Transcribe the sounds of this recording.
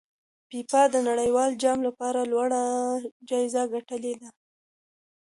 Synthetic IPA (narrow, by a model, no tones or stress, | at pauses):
pipɑd̪ənaɽəjwɑld͡ʒɑmlapɑɾalwaɽad͡ʒɑɪzaɡaʈəled̪a